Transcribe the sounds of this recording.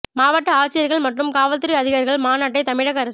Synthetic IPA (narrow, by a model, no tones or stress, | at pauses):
maːʋɐʈːɐaːt͡ʃːɪjɐɾɣɐɭmɐʈrɯmkaːʋɐlt̪ɯɾiɐðɪɣaːɾɪɣɐɭmaːnaːʈːɐɪt̪ɐmɪɻɐɣɐɾɐs